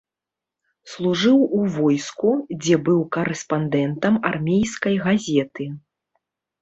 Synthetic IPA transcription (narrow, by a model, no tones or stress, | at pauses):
slˠuʐɨwuvɔjskud͡zʲɛbɨwkɐɾɛspand̪ɛnt̪ɐmarmʲejskɐjɣazʲɛt̪ɨ